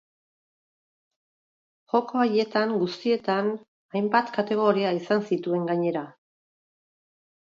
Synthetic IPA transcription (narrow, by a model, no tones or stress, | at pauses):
ʝo̞ko̞aje̞t̪aŋɡust̪ie̞t̪an | ajmbat̪kat̪e̞ɣ̞o̞ɾiaisansit̪ue̞ŋɡaɲe̞ɾa